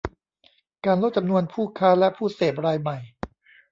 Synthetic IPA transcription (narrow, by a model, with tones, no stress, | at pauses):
kaː˧nlo˦˥t̪̚t͡ɕa˧mnu˧ənpʰuː˥˩kʰaː˦˥lɛ˦˥pʰuː˥˩seː˨˩p̚ɾaː˧jma˨˩j